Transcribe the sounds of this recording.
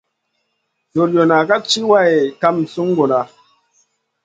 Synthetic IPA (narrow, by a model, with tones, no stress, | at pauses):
to˨ljo˨na˨ka˦t͡ʃi˦wa˦˨e˨ka˦msu˦ŋ˦ɡo˨na˨